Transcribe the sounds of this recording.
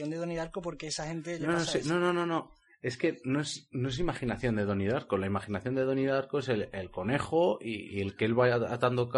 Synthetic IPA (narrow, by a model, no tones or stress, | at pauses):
ond̪eðoniðaɾkopo̞ɾkeesaxent̪enonoseno̞no̞no̞no̞ | e̞ske̞no̞e̞snoe̞s̬imaχinaθjo̞nd̪e̞ðo̞niðaɾko̞laimaχinaθjo̞nd̪e̞ðo̞niðaɾko̞eselelko̞ne̞χo̞iḭe̞lkeelβaat̪and̪ok